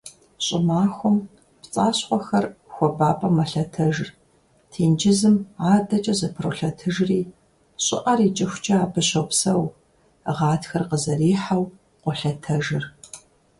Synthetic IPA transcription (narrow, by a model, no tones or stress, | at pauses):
ɕʼɪmaːxʷʊm | pt͡sʼaːɕqʷɔxɐrxʷɔbaːpʼɐmɐɬɐtʰɐʒr | tʰiːnd͡ʒɪzɨmʕaːdɐt͡ʃʼɐzɨpʰroɬɐtʰɨʒriː | ɕʼɪ̰ʔɐriːt͡ʃʼɐxʷt͡ʃʼɐaːbɨɕɐwpsɐw | ʁɑːtxɐrqəzɐriːħaw | qʷʊɬɐtʰɐʒɨr